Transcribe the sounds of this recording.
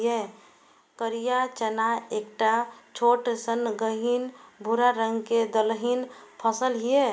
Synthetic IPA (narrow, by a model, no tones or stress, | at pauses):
e | kəɾijat͡ʃənaekʈat͡ʃʰoʈsənɡəɦinbʱuɾaɾəŋɡked̪əlɦinpʰəsəlɦie